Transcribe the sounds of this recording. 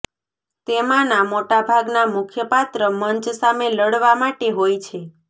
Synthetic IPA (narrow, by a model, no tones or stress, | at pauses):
t̪emãnãmoʈabʱaɡnamʊkʰjəpat̪ɾəməɲt͡ʃsameləɽʋamaʈeɦojt͡ʃʰe